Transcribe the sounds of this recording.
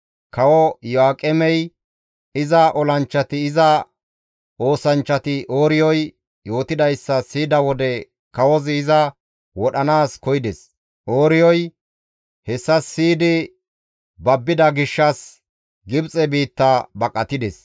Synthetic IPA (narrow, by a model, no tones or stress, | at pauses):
kɐwɔjɔaːkʼɛmɛj | ɪzɐʔɔlɐnt͡ʃːɐt̪ɪːzɐ | ʔo̞ːsɐnt͡ʃːɐt̪ɪʔo̞ːɾɪjɔj | jo̞ːt̪ɪd̪ɐjsːɐsiːd̪ɐwɔd̪ɛ | kɐwɔzɪːzɐ | wɔɗɐnaːskɔjɪd̪ɛs | ʔo̞ːɾɪjɔj | hɛsːɐsːiːd̪ɪ | bɐbːɪd̪ɐɡɪʃːɐs | ɡɪbt͡sʼɛbiːt̪ːɐbɐkʼːɐt̪ɪd̪ɛs